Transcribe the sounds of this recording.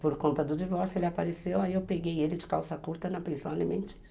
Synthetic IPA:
poɾkõnt̪ɐd̪ʊd͡ʒivɔɾsjʊelɪapaɾesewaiewpeɡejelɪd͡ʒɪkawsɐkuɾt̪ɐnɐpẽsɐ̃w̃alimẽnt͡ʃi̥s

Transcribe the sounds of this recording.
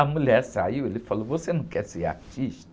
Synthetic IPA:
amulɛsaiwelifɔlɔbosenukʼɛsija̰kt͡ʃʼiʃt

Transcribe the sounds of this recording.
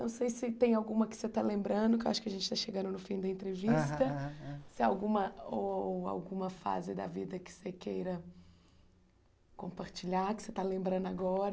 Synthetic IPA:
nɐ̃w̃sejsɪt̪ẽj̃awɡũmɐkɪ̥set̪alẽmbɾɐ̃nd̪ʊkewaʃʊ̥kɪɐʒẽnt͡ʃɪ̥t̪aʃeɡɐ̃nd̪ʊnʊfĩd̪ɐẽnt̪ɾevist̪ɐsɪawɡũmɐoa̰wɡũmɐfa̰zɪd̪ɐ̰vid̪ɐkɪ̥sekejɾɐ | kõmpaɾt͡ʃiʎaɾkɪ̥set̪alẽmbɾɐ̃nd̪ʊaɡɔɾ

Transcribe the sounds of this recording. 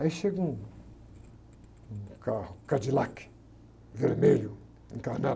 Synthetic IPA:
aiʃeɡũ | kahʊkad͡ʒilak | veɾmelʊ̃ | kana

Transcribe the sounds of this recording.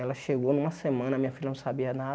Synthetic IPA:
ɛlɐʃeɡownũmɐsemɐ̃nɐmĩɲɐfilʎɐnɐ̃w̃sabiɐna

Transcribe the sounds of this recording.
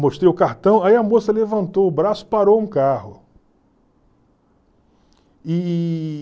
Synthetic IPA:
moʃt̪ɾejʊkaɾt̪ɐ̃w̃aiɐmosɐlevɐ̃nt̪owʊbɾasʊ̥paɾowũkahʊ | ɪ

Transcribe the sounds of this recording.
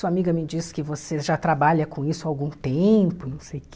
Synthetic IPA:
suɐamiɡɐmɪd͡ʒisɪ̥kɪvoseʒat̪ɾabaʎɐkõisʊawɡũt̪ẽpʊnɐ̃w̃sejʊk

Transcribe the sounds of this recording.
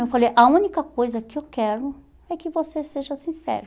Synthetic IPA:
ewfalejʔɐũnikɐkojzɐkɪewkɛɾʊ | ɛkɪvoseseʒɐsĩsɛ̰ɾʊ

